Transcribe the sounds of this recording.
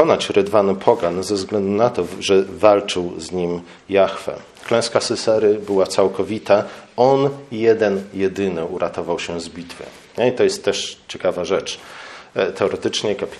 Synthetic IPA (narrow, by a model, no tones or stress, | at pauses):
ɔnat͡ɕɾɘd̪vanɘpʰɔɡanzɛvzɡlɛnd̪unat̪ɔʐɛvalt͡ʂɘwzɲim | jaxfɛ̰ | klɛ̃w̃skasɘsɛɾɘbɘwat̪sawkɔvʲit̪aɔnjɛd̪ɛnjɛd̪ɘnɘuɾʔat̪ɔvawɕɛzbʲit̪fɘ̰ | ɲɛit̪ɔjɛst̪ːɛʂt͡ɕɛkavaʐɛt͡ʂ | t̪ɛɔɾɛt̪ɘt͡ʂɲɛkapʲ